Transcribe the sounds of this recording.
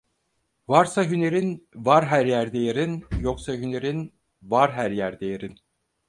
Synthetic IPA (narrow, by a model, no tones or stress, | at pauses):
vaɾsaɦyne̞ɾinvaɾɦæɾjæɾd̪ejeɾinjo̞ksaɦyneɾin | vaɾɦæɾjæɾd̪ejeɾin